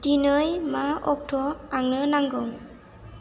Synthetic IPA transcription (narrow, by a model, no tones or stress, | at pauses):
dinɯjmaɔk̚tʰɔaŋnɯnaŋɡɯŋ